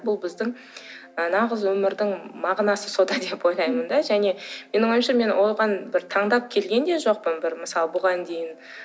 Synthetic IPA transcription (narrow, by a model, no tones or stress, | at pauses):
bʊlˠbɪzd̪ɪŋ | ənɑʁəzwɵmɪɾd̪ɪŋmɑʁnɑsəso̞d̪ɑd̪e̞po̞jlˠɑjmənd̪ɑʒæne̞me̞nɪŋwo̞jmʃɑme̞nwo̞lˠʁɑnbɪɾt̪ʰɑɴd̪ɑp̚kʲʰe̞lɡʲe̞nd̪e̞ʒo̞q̚pənbɪɾməsɑlˠəbʊʁɑnd̪e̞jɪn